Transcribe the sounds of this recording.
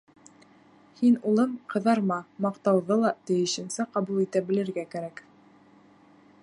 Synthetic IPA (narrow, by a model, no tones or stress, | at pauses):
hinulˠɤmqɤ̆ðɑɾmɑmɑqt̪ɑwðɤlˠɑt̪ɘ̆jɘ̆ʃɘ̆nsæqɑβulˠit̪æbɘ̆lɘ̆ɾɡækæɾæk